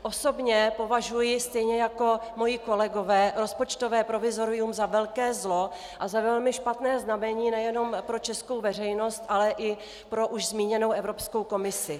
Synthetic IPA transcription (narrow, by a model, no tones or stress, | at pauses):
ʔo̞so̞bɲɛpo̞vaʒujɪst̪ɛjɲɛjako̞mo̞jiko̞lɛɡo̞vɛːɾo̞spot͡ʃt̪o̞vɛːpɾo̞vɪzo̞ɾɪumzavɛlkɛːzlo̞ | ʔazavɛlmɪʃpat̪nɛːznamɛɲiːnɛjɛno̞mpɾo̞t͡ʃɛsko̞wvɛr̝ɛjno̞st̪ʔalɛʔɪ | pɾo̞ʔuʒzmiːɲɛno̞wʔɛvɾopsko̞wko̞mɪsɪ